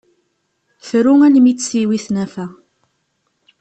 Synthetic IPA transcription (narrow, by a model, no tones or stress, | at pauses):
θɾʊŋælmit͡sːsiwiθnæfæ